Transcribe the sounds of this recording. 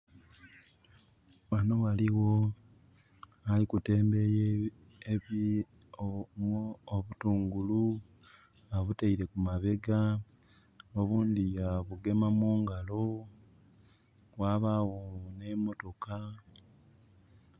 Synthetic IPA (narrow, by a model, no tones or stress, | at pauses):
βanoɣaliwo̞ | alikute̞ːmbeje | ei | βutuːŋɡulu | aβutaiɾe̞kumaβe̞ɡa | oβuːnd̪ijaβuɡe̞mamuːŋɡalo̞ | waːβawone̞mo̞to̞ka